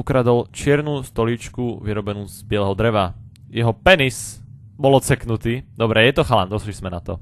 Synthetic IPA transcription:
ukɾad̪ɔlt͡ʃɪɛɾnuːst̪ɔlit͡ʃkuʋiɾɔbɛnuːzbɪɛlɛɦɔd̪ɾɛʋa | jɛɦɔpɛnis | bɔlɔt͡sɛknut̪iːd̪ɔbɾɛjɛt̪ɔxaland̪ɔslizmɛnat̪ɔ̰

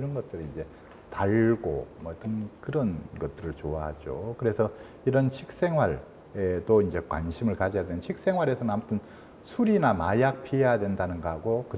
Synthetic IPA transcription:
iɾʌnɡʌt̚t͈ɯɾiind͡ʑe̞ | taɭɡo̰mʌit͈ʌnkɯɾʌnɡʌt̚t͈ɯɾɯɭt͡ɕoaɦad͡ʑokɯɾe̞sʰʌ | iɾʌnɕʰik̚s͈e̞ŋɦwaɭ | et͈oind͡ʑe̞kwa̰nɕʰimɯɭkad͡ʑejadwe̞nɯnɕʰik̚s͈e̞ŋwaɾe̞sʰʌnɯnamutʰɯn | sʰuɾinamajak̚pʰiejadwe̞ndanɯnɡʌɦaɡokɯ

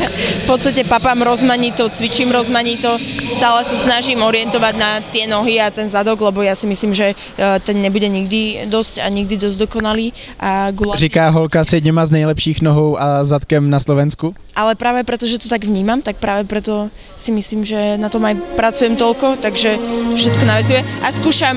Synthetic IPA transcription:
fpɔt̪st̪acɛpapamɾɔzmaɲit̪ɔt͡sʋit͡ʃiːmɾɔzmaɲit̪ɔst̪aːlɛsasnaʒimɔɾɪɛnt̪ɔʋaɟnat̪ɪɛnɔɦiat̪ɛnzad̪ɔɡlɛbɔjasimisliːmʒɛ | t̪ɛnɲɛbuɟɛɲiɡd̪id̪ɔsca̰ɲiɡ̚d̪id̪ɔzɟd̪ɔkɔnaliː | ʔaɡulrikaːɦɔlkasd̪ɲɛmaznɛjlɛpʃiːxnɔɦɔwʔazat̪kɛmnaslɔʋɛnsku | ʔalɛpɾaːʋɛpɾɛt̪ɔʒɛt̪ɔt̪aɡʋɲiːmamt̪ak̚pɾaːʋɛpɾɛt̪ɔ | simisliːmʒɛnat̪ɔmajpɾat͡sujɛmt̪ɔlkɔt̪aɡʒɛt̪ɔfʃɛt̪kɔnaʋɛzujɛaskuːʃam

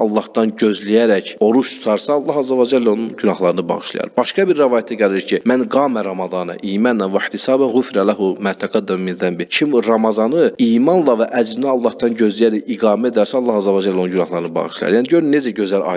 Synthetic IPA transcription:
ɑlˠːɑhd̪ɑnɟøzlijæɾæco̞ɾuʃt̪ʰu̥t̪ʰɑɾsɑːlˠːɑhɑzːævɑd͡ʒælːæo̞nunɟynɑhlˠɑɾɯnɯbɑ̰ɣɯʃlˠɑ̰jɑ̰ɾb̥ɑʃkɑbiɾːævɑːjat̪ʰæɟæliɾcʰimænɡɑːmæɾɑmɑd̪ɑːnɑ̰ʔiːmɑnænvæħt̪ʰisɑːbænɣufɾælæɦumæːt̪ʰæɡæd̪ːæmminðæmbicʰimɾɑmɑzɑnɯiːmɑnlˠɑvæʔæd͡ʒliniɑlˠːɑhd̪ɑnɟø̞zlijæɾæciɡɑːmæed̪æɾsæɑlˠːɑhɑzːævɑd͡ʒælːonunɟynɑhlˠɑɾɯnɯbɑ̰ɣɯʃlˠɑjɑ̰ɾjæniɟø̞ɾynnːe̞d͡ʒæɟø̞zælɑ̰j

